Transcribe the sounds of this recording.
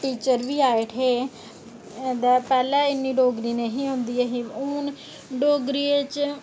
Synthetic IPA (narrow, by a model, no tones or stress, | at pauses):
ʈiːt͡ʃəɾʋiːaːeːʈʰeː | d̪ɛːpɛːlɛ̃ːɪnːiːɖoːɡɾiːneːɦĩːɦõːnd̪iːɛːɦiːuːn | ɖoːɡɾiːet͡ʃ